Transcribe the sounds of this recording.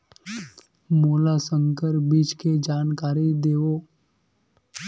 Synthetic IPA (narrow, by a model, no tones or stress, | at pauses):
moːlasə̃ŋkəɾbiːd͡ʒked͡ʒaːnkaːɾid̪eːoː